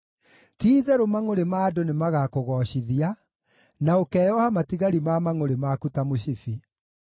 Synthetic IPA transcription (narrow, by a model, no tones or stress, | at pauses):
tiːðɛɾomaŋoɾemaːdonemaɣakoɣɔɕiðia | naokɛːjɔhamatiɣaɾimamaŋoɾemakutamoɕifi